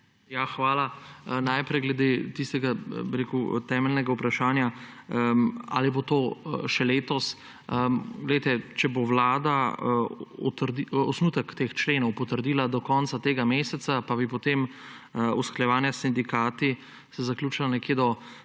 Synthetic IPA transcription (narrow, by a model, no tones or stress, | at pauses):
jaxʋaːlanajpɾɛjɡlɛd̪eːt̪ist̪ɛɡabiɾekut̪ɛːmɛlnɛɡaupɾaʃaːnja | a̰libot̪oːʃɛleːt̪ɔs | əɡlɛjt̪ɛt͡ʃɛboʋlaːd̪a | t̪ɾd̪iɔsnuːt̪əkt̪ext͡ʃleːnɔwpɔt̪əɾd̪iːlad̪ɔkɔːnt̪sat̪eːɡameːsɛt̪sapabipɔt̪em | uskɾajɛʋaːnjasind̪ikaːt̪i | sɛzaklʲuːt͡ʃilanɛkjeːd̪ɔ